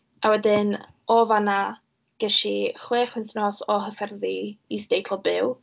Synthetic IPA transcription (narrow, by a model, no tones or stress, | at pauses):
awɛdɪn | ɔvana | ɡ̥əʃiχweːχwɪnθnɔsɔɦəfɛrðiisd̥ejtʰlɔbɪw